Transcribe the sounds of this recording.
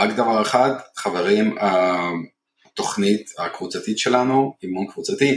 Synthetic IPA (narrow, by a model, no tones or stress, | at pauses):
ʁakd̪avaʁe̞χad̪χaveʁima | t̪o̞χnit̪akvut͡sat̪it̪ʃelanuimonkvut͡sat̪i